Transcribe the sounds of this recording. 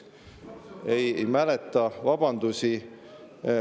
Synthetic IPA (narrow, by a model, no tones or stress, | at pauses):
ejejmælet̪ːˑɑvɑb̥ɑnd̪̥usi